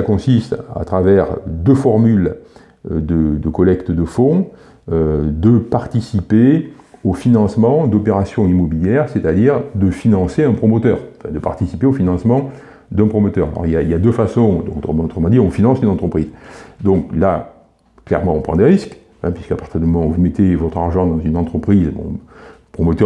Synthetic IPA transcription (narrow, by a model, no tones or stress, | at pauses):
sakɔ̃sist̪a̰t̪χavɛʁd̪əfɔʁmyl | d̪əd̪əkɔlɛkt̪əd̪əfɔ̃ | ød̪əpaʁt̪isipeofinɑ̃smɑ̃d̪ɔpeʁasjɔ̃imɔbiljɛʁset̪ad̪iʁd̪əfinɑ̃seɛ̃pχɔmɔt̪œːʁɑ̃fɛ̃d̪əpa̰ʁt̪isipeofinɑ̃smɑ̃ | d̪ɛ̃pχɔmɔt̪œʁa̰lɔ̰ʁiljailjad̪øfasɔ̃d̪ɔ̃k̪moɔt̪χəmɑ̃d̪iɔ̃finɑ̃synɑ̃t̪χəpχizd̪ɔ̃kla | klɛ̰ʁmɑ̃ɔ̃pχɑ̰̃d̪eʁisk | ɛ̃pɥiskapaʁ̥t̪iʁd̪ymɔmɑ̃uvumet̪evɔt̪χaʁʒɑ̃d̪ɑ̃zynɑ̃t̪χəpχizbɔ̰̃pχɔmɔt̪œ